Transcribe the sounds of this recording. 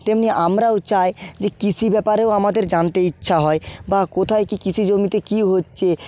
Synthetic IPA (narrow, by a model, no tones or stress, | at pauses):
t̪emniʔamɾaot͡ɕajd͡ʑekit͡ɕʰibɛpaɾeoamad̪eɾd͡ʑant̪eitːɕʰaɦɔebakot̪ʰaekikit͡ɕʰid͡ʑomit̪ekiwɦotːɕʰe